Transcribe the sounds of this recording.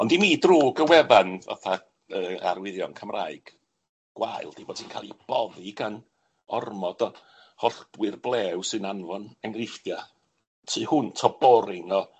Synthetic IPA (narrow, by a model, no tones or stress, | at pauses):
ɔndimiːdruːɡəwɛvanva̰θa | əːa̰rwɪðjɔnkʰəmraːɨɡ̥ | ɡ̥waɨlˠd̥iboːd̥ʰiːnkʰa̰lˠib̥ɔðiɡan | ɔrmɔd̥ɔ | hɔɬd̥wɨrblˠɛːwsɨnanvɔnɛŋrɪfja | tʰiːhʊntʰɔbɔɾɪŋɔ